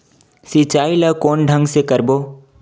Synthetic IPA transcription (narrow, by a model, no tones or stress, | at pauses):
sit͡ʃaːiləkoːnɖʱə̃ŋɡsekɐɾboː